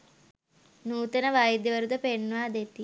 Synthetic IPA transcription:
nuːt̪ɐnɐʋaːjid̪jɐʋɐɾud̪ɐpeɳːʋaːd̪et̪ːi

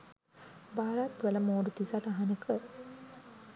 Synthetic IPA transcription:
baːɾat̪ʋələmoːɖut̪isaʈaɦanəkə

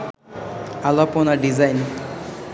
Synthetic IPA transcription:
alaponaɖizajn

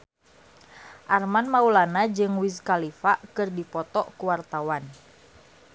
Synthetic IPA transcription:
ʔarmanmaulanad͡ʒɨŋwiskalifakɨrdipɔt̪ɔkuwart̪awan

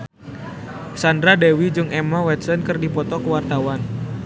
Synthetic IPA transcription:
sandɾadewid͡ʒɨŋɛmawɛt̪̚sənkɨrdipɔt̪ɔkəwart̪awan

